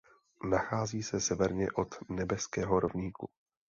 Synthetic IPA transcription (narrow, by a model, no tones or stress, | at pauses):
naxaːziːsɛsɛvɛɾɲɛʔo̞t̪nɛbɛskɛːɦoɾovɲiːkṵ